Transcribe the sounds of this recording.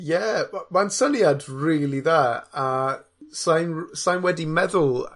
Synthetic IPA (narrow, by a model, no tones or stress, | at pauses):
jɛmamansəniadriːlˠiðaːa | sajnsajnwɛdimɛðʊlˠ